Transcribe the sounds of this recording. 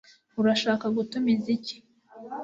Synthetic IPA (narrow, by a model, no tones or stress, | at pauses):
uɾaʃaːkaɡutumizici̥